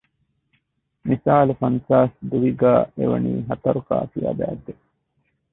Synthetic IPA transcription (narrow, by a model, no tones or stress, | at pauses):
misaːlufɐnsaːsd̪uʋiɡaːʔeʋɐ̰niːɦɐt̪ɐɾuka̰ːfija̰ːbæːd̪ːe